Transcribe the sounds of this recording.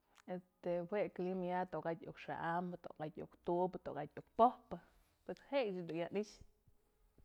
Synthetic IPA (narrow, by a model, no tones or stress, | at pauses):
est̪ehweklimjat̪okat̪ʲṵkʂa̰ʔamt̪o̰ɡat̪ʲṵkt̪ubt̪okat̪ʲuk̚pohpɨ | pweshejt͡ʃad̪ujaniʃ